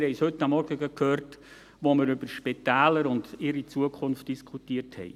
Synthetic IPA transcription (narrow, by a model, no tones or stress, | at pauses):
hɛɪshʏtːamɔɾɡəɡəkhøːɾt | ʋoməɾʏbəɾʃpetæːləɾʊndɪɾit͡suəkʰʊnft̚d̥iskʰutiəɾthɛ̰ɪ